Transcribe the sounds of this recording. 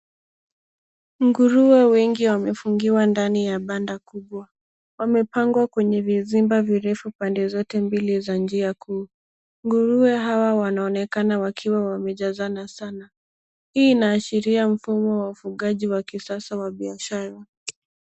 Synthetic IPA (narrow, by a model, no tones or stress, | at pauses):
ŋɡuɾuɛwɛŋɡiwamɛfuŋɡiwandanijaɓandakuɓwa | wamɛpaŋɡwakwɛɲɛvizimbaviɾɛfupandɛzɔtɛmbilizand͡ʒiakʰuː | ŋɡuɾuɛɦawawanaɔnɛkanawakʰiwawamɛʄazanasana | hiːnaːʃiɾiam̩fumɔwaufuɠaʄiwakisasawaɓiaʃaɾa